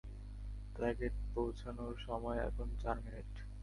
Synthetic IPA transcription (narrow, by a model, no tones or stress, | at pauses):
plɛɡeʈ̚powt͡ɕʰanoɾʃɔmɔeɛ̰kʰont͡ɕaɾmineʈ